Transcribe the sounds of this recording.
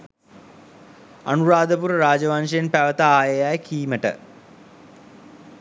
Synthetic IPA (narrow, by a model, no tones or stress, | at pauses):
anuɾaːd̪əpuɾəɾaːd͡ʒəʋanʂəjenpæʋət̪aaːjəjajkiːməʈə̰